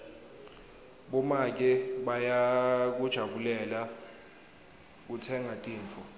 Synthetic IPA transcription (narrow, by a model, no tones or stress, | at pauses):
ɓɔmak̬ʼɛɓajak̬ud̥ʒ̥ʱaɓulɛla | k̬utʰɛŋʱatʼiːɱfʰɔ